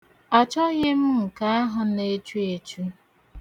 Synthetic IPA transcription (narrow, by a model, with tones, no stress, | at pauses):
a˨t͡ʃɔ˦ɣe˦m̩˦m̩˨ka˦a˦ɦʊ˨ne˦t͡ʃu˦e˨t͡ʃu˦